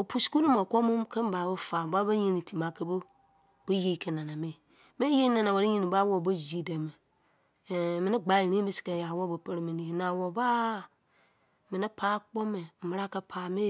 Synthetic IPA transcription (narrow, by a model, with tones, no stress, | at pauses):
o˨pu˨sku˦nu˦mo˨kʷo˦mũ˦mke˦m˦ba˨bo˦fa˨ba˦ba˦ɲi˦ni˨ti˨ma˨kə˦bo˦ | b̥ə˦je˦˨ke˨na˨na˨mi˦ | mi˦je˦na˨na˨wo˨ɾi˦ɲi˦ni˨ba˦wo˦˨bo˦zi˨de˨me˨ | mi˨ni˦ɡ͡ba˨˦i˨ɾi˦mi˦si̥˨ke˨ja˨wo˦bo˨pə˦ɾmi˨ni˨na˨wo˨ba˦ | mi˨ni˦pʰaː˦k͡po˦me˨mə˨ɾa˦ka˦pʰaː˨me˦